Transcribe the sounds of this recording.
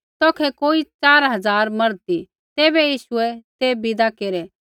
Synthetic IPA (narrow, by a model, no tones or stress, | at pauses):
t̪ɔːkʰɛkoːit͡ʃaːɾɦɐd͡zaːɾmɐɾt̪i | t̪eːbɛjiːʃʊɛt̪ebɪd̪akeːɾɛ